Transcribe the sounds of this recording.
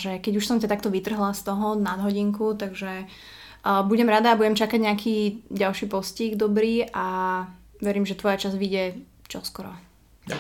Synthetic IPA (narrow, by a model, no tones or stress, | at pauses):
ʒɛkɛɟuʃsɔmcat̪ak̚t̪ɔʋit̪r̩ɦlast̪ɔɦɔnad̪ɦɔɟiŋkut̪aɡʒɛ | buɟɛmɾad̪aːbuɟɛmt͡ʃakaɟɲakʰiːɟalʃiːpɔsciɡd̪ɔbɾiːʔa | ʋɛɾiːmʒɛt̪ʋɔjat͡ʃazʋiɟɪɛ | t͡ʃɔskɔɾɔ̰